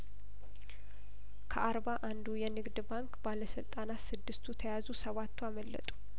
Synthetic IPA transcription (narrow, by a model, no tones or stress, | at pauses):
kʰəʔaɾbaʔand̪ujɛnɨɡd̪baŋkbaləsɨlt̪ʼanat̪sɨd̪ːɨst̪ʰut̪ʰəjazusəβat̪ːuaməlːə̰t̪ʼu̥